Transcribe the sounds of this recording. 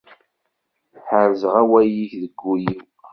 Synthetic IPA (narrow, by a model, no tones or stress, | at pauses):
ħəɾzʁawæjiçðəɡːujiw